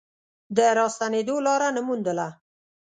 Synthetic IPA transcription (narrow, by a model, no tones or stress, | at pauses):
d̪əɾɑst̪aned̪olɑɾanəmund̪əla